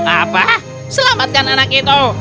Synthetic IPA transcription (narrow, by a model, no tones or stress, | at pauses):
apa | səlamat̪̚kananak̚it̪o